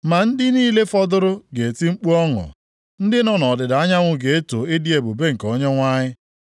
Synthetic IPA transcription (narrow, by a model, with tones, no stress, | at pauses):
ma˨n̩˦dɪ˦niː˦le˦fɔ˦dʊ˦ɾʊ˦ɡe˨e˨ti˦ŋ͡m̩˦k͡pu˦ɔ˦ŋʊ̰˨ | n̩˦dɪ˦nɔ˦nɔ˨dɪ˨da˨a˦ɲa˦ŋʷʊ˦ɡe˨e˦to˨ɪ˦di˦e˨bu˨be˦ŋ̩˨ko˦ɲe˦ŋʷa˦ɲɪ˦